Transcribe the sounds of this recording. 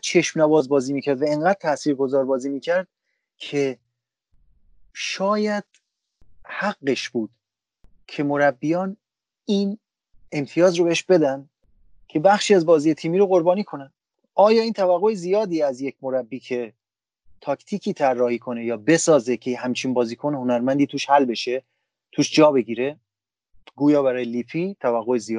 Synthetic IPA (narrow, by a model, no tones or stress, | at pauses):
t͡ʃʰe̞ʃmnævɒːzbɒːziːmiːcʰæɾd̪væeŋɢæːd̪̚t̪ʰæsiːɾɡo̞zɒːɾbɒːziːmiːcʰæɾd̪̥̚ | kʰe̞ | ʃɒːjæd̪̥ | hæɡːe̞ʃb̥uːd̪̥ | cʰe̞mo̞ɾæbːijɒːn | iːn | e̞mt̪ʰijɒːzrobeeʃbe̞d̪ænd̪ | cʲʰe̞bæxʃiːæzbɒːzijet̪ʰiːmiːɾoɣo̞ɾbɒːniːkʰo̞næn | ɒːjɒːiːnt̪ʰævæɣːoezijɒːd̪iːæzjecʰmo̞ɾæbːiːcʰe̞ | t̪ʰɒːkʰt̪ʰiːkʰiːt̪ʰærːɒːhiːkʰo̞ne̞jɒːbe̞sɒːzecʰejɦæmt͡ʃʰinbɒːziːkʰonho̞næɾmænd̪iːt̪ʰuːʃhælbe̞ʃe̞ | t̪ʰuːʃd͡ʒɒːbe̞ɡiːɾe̞ | ɡuːjɒːbæɾɒːjeliːfʰiːt̪ʰævæɣːoezijɒ